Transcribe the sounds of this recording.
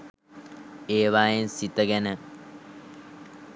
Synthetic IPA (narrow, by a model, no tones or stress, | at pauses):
eːʋaːjensit̪əɡænə